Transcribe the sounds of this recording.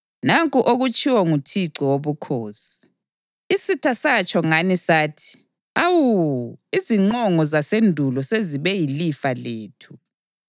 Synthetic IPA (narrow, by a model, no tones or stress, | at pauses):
naŋkʼuʔoɣut͡ʃʼiwɔŋutʰiǀɔwoβukʰoːsi̥ | isitʰasat͡ʃʼɔŋanisaːtʰi̥ | awuiziŋ͡ǃɔŋɔzasendʱulɔseziβɛjilifaleːtʰu̥